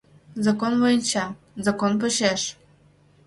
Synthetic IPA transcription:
zɑkonvojənʲt͡ɕɑ | zɑkonp̬ə̆ɕeʃ

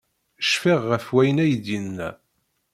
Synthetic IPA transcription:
ʃfiʁːəfwæjənæjd̪inːæ

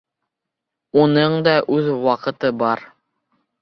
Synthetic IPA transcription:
unɤɴd̪ɑʔʉðwɑqɤ̆t̪ɤbɑɾ

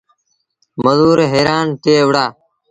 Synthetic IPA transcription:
məzuːɾeːɦeːɾaːnt̪eːʋɽaː

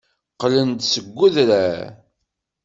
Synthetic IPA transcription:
qlənd̪səɡʷːuðɾæ

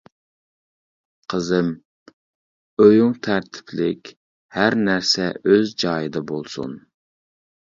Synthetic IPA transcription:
qʰəzɪm | øjyŋt̪ʰæɾt̪ʰɪ̥pʰlɪkʲ | hæɾnæɾsɛøzd͡ʒɑːjɨd̪ɛbolˠsṵn

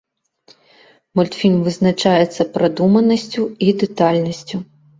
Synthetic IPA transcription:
mɔlʲt̪fʲinʲvɨznɐt͡ʃajɛt̪sːɐpɾʔad̪umɐnɐsʲt͡sʲuid̪ɛt̪alʲnɐsʲt͡sʲʊ

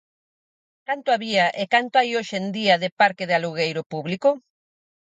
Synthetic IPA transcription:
kant̪ʊaβiaʔekant̪oajoʃend̪iɐðɪpaɾkɪðealuɣejɾʊpuβlikʊ

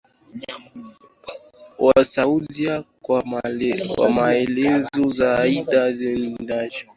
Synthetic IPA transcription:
wasaulia | wa̰maɛlɛzɔzaːiɗavɛnindaʒɔ

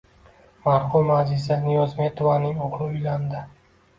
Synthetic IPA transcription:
maɾhʊmmazɪzanijɒzme̞t̪ʰovanɪŋoʁɾɪʊjland̪ɪ

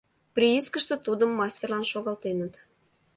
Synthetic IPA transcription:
pɾʲiiskəʃt̪ə̆t̪ud̪əmːɑsʲtʲerlɑnʃoɣɑlt̪enət̪

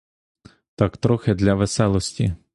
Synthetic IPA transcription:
t̪ɑkt̪ɾɔxed̪lʲɐʋesɛlˠɔsʲtʲḭ

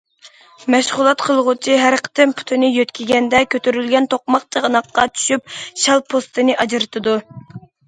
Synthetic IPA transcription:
mɛʃʁʊlˠɑt̪qʰəlˠʁʊt͡ʃʰiɦæɾqʰə̥t̪ʰɪmpʰu̥t̪ʰunɨjøt̪kʲiɡʲɛnd̪ɛkʲʰøt̪ʰyɾylɡʲɛnt̪ʰoq̚mɑq̚t͡ʃʰəʁənɑqːɑt͡ʃʰy̥ʃyp̚ʃɛlˠpʰost̪ɨnɨʔɑd͡ʒɨɾɨt̪ʰɨd̪u

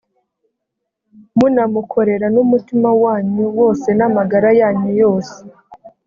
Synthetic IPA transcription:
munamukʰo̞ɾe̞ɾanumutimawaːɲuwo̞ːse̞namaɡaɾajaːɲujo̞ːse

